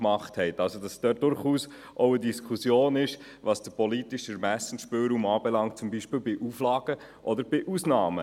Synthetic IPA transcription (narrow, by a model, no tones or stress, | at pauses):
mɑχthɛɪtɑlsod̥ɑsd̥œːt̚d̥ʊɾχuːs | ʔɔʊədiskʰusjoːnɪʃ | ʋɑsd̥əpɔlitiʃəɾmæsən̩ʃpɪːlɾuːmɑːbɛlɑŋt̚t͡sumbiʃpɪːlbɪʔuflɑːɡ̥ə | ʔɔd̪əɾb̥ɪʔusnɑːmə̰